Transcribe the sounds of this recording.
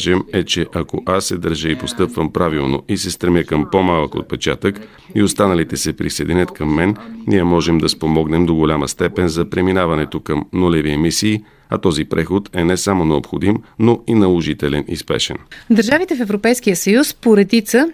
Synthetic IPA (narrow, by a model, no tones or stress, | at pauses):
ʒɛmɛt͡ʃɛʔɐkoʔasːɛd̪əɾʒəipost̪ɤpvəmpɾavilˠno̰ʔisɛst̪ɾɛmjəkəmpomalˠəko̰t̪̚pɛt͡ʃat̪ək | iost̪anəlit̪ɛsɛpɾisɛjd̪ɛnʲət̪kəmːɛnniɛmɔʒɛmd̪ɐspomɔɡnɛmd̪oɡolʲaməst̪ɛpɛnzɐpɾɛminavɐnɛt̪okəmnolɛviɛmisiː | ɐ̰t̪ɔzipɾʔɛxot̪ɛnɛsamonɛopxod̪imnoinɐlˠoʒit̪ɛlɛnḭspɛ̰ʃɛ̰nd̪əɾʒavit̪ɛfɛvɾopɛjskijəsəjuspoɾɛd̪it̪sə